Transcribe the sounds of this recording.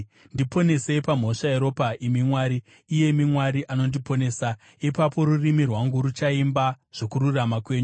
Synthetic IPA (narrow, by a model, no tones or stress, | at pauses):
ndipo̞ne̞se̞pam̤o̞ʂaeɾo̞paimimwaːɾiː | je̞mimwaɾiʔano̞ndipo̞ne̞ːsa | ipapo̞ɾurimirwaŋɡuɾut͡ʃaimba | ʐ̥o̞kururamakwe̞ːɲu